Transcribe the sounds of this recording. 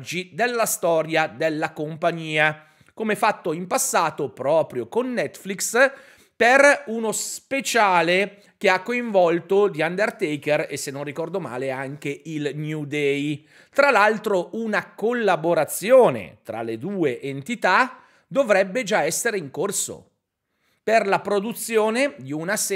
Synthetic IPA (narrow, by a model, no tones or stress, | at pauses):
d͡ʒid̪elːast̪ɔːɾjad̪elːakompaɲiːa | komefat̪ːoimpasːaːt̪opɾɔːpɾjokonːɛt̪fliks | perunospet͡ʃaːle | k̟eakːoiɱvɔlt̪od̪iand̪ert̪ɛjkeresːenːonrːikɔrd̪oma̰ːleaŋk̟eilnjud̪ɛj | t̪ɾalalt̪ɾounakolːaboɾat̪sːjoːnḛt̪ɾa̰led̪uːeʔent̪it̪a | d̪ovɾɛbːed͡ʒaɛsːeɾeiŋkorso̰ | perlapɾod̪ut̪sːjoːned̪iunas